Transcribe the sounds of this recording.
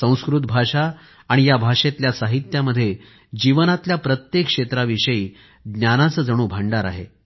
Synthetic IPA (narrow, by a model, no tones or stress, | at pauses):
sə̃w̃skɾut̪bʱaʂaː | ɽ̃ijabʱaʂet̪ljasaɦit̪jaməd̪ʱːje | d͡ʑiʋənat̪ljapɾət̪jekʂet̪ɾaʋiʂəiː | ɡnjanat͡səːd͡zəɽ̃uːbʱəɳɖaɾa̰ɦḛ